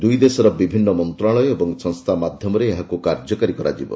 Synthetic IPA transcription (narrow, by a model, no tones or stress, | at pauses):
d̪ujd̪esɔɾɔbibʱinːɔmɔnt̪ɾaɭɔjɔebɔŋsɔŋst̪ʰamad̪ʱjɔmɔɾeːɦakukaɾd͡ʒɔkaɾikɔɾa̰d͡ʒibɔ̰